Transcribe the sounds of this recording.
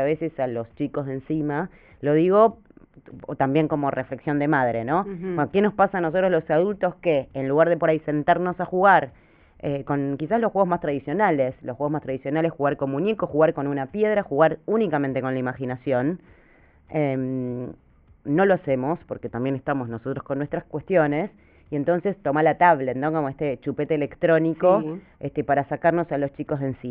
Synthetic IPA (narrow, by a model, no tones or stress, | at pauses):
aβe̞sesalo̞st͡ʃiko̞zðe̞nsima | lo̞ð̞iɣo̞ | ot̪ambje̞ŋko̞mo̞refle̞ksjo̞nd̪e̞mað̞ɾeno̞beoke̞no̞spasaːnosot̪ɾo̞zlo̞saðult̪o̞skeːnluɣaɾðepo̞ɾaise̞nt̪aɾno̞saxuɣaɾ | eko̞nkisaslosxwe̞ɣmast̪ɾaðisjo̞naleslosxwe̞ɣmast̪ɾaðisjonale̞sxuɣaɾko̞munjekoxuɣaɾko̞nunapje̞ðɾaxuɣaɾunikamẽnt̪e̞ko̞nlaimaxinasjo̞n | em | o̞loase̞mo̞spo̞ɾke̞t̪ambje̞nest̪amo̞zno̞sot̪ɾosko̞nːwe̞st̪ɾaskwe̞st̪jo̞ne̞s | ie̞nt̪o̞nse̞st̪o̞malat̪aβlet̪nokomoeht̪e̞t͡ʃupet̪eːlekt̪ɾo̞niko | est̪epaɾasakaɾno̞salo̞st͡ʃiko̞zðensi